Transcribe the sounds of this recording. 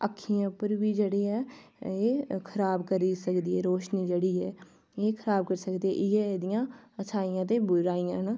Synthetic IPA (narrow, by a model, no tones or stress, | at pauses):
əkʰːijãːpəɾʋiːd͡ʒeːɽiːɛːeːkʰəɾaːbkəɾiːsəkd̪iːɛːɾoːʃniːd͡ʒeːɽiːɦɛː | eːkʰəɾaːb̚kəɾsəkd̪eːɛ̰ːʔɪjɛːd̪ɪjãːət͡ʃʰaːijãːt̪eːbʊɾaːijãːna